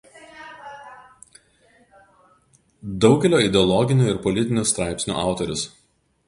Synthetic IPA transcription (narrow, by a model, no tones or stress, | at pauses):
d̪ɒʊɡʲɛlʲoːɪd̪ʲɛɔlˠɔɡʲɪnʲuːɪɾpɔlʲɪt̪ʲɪnʲuːˑst̪ɾɑˑɪpʲsʲnʲṵʔɑˑʊt̪ɔɾʲʊs